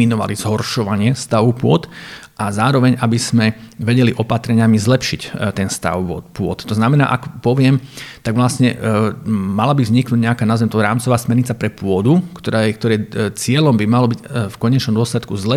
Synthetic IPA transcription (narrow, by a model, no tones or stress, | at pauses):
inɔʋa̰lizɦɔrʃɔʋaɲɪɛst̪aʋupʊɔt̪ʔazaːɾɔʋɛɲabiz̥mɛʋɛɟɛliʔɔpat̪ɾɛɲɪamizlɛpʃict̪ɛnst̪a̰ʊʋɔ̰t̪pʊɔ̰t̪ːɔznamɛna̰ːʔakpɔʋɪɛmt̪aɡʋlasɲɛ | malabivzɲiknuɟɲɛakaːnazɛmt̪ɔɾaːmt͡sɔʋaːsmɛɾɲit͡sapɾɛpʊɔd̪ukt̪ɔɾak̚t̪ɔɾɛːt͡sɪɛlɔmbimalɔbiɟfkɔɲɛt͡ʃnɔmd̪ʊɔslɛt̪kuzlɛ